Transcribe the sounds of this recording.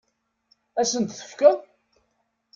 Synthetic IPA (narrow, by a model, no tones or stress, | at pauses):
æsənt̪θə̥fkæ